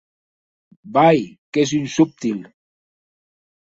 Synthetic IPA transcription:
bajkɛs̬ynsup̚t̪il

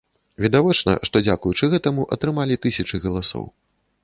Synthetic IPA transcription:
vʲid̪avɔt͡ʂnɐ̰ʂt̪ɔd͡zʲakujut͡ʂɨɣɛt̪ɐmuʔɐt̪ɾɨmalʲit̪ɨsʲɐt͡ʂɨɣɐlˠasɔ̰w

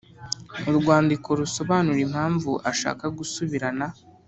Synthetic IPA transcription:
uɾɡwaːndiko̞ɾuso̞βanuɾimhaːɱvuʔaʃa̰ːkaɡusuβiɾana

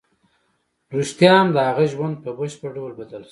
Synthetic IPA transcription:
ɾust̪jɑmd̪əhaɣaʒwand̪̚pəbəʃpəɖolbad̪əls

